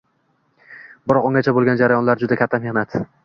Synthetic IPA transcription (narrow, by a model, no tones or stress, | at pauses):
bɪɾɒqoŋɡʲat͡ʃʰabolˠɡʲand͡ʒaɾajɒnlaɾd͡ʒʊd̪akʲʰat̪ʰːame̞hnat̪